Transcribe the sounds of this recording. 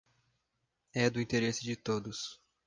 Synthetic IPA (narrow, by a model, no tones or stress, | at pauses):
ɛd̪ʊĩt̪eɾesɪd͡ʒɪt̪od̪ʊs